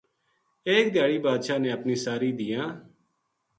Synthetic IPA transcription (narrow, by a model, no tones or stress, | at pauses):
eːk̚d̪ʱjaːɽiːbaːd̪ʃaːnẽːəpniːsaːɾiːd̪ijãː